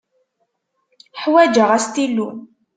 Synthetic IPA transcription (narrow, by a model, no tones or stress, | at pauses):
ħwæd͡ʒəʁæst̪ilːun